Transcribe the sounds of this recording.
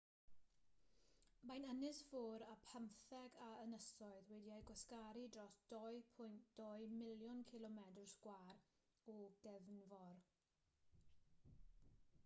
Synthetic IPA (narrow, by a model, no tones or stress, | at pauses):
majnənɪsfʊːɾapʰəmθɛɡaənəsɔɨðwɛdiajɡwaskaɾidrɔsd̥ɔjpʰʊjntd̥ɔɨmɪljɔnkʰɪlˠɔmɛdrsɡ̥waːɾ | ɔɡ̥ɛvnvɔr